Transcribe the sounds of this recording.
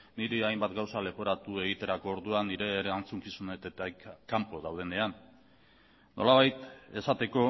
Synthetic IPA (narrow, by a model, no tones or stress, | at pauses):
niɾeajmbat̪ɡawsale̞poɾat̪ue̞ɣ̞it̪e̞ɾako̞ːɾðuanːiɾe̞ant͡suŋkisunet̪et̪akampo̞ðawð̞ene̞an | o̞̰laβajt̪e̞sat̪e̞ko̞